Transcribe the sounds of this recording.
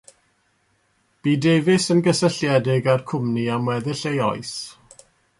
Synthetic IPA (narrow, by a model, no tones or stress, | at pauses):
b̥iːdevɪsənɡəsəɬjɛdɪɡarkʰʊmniamwɛðɪɬejɔɨs